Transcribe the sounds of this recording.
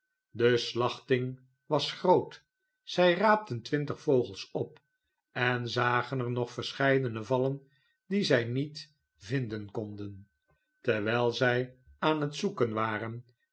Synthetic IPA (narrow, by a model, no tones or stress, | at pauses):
dəslɑχtɪŋ | ʋɑsχrowt | z̥ɛjraːp̚təntʋɪntəχfowχəlˠsɔp | ɛnzaːχənəɹnɔχfəɹsχɛjdənəvɑlən | dizɛjnit | vɪndənkɔndən | tɛɹʋɛjlˠzɛj | aːnɦətsukənʋaːrən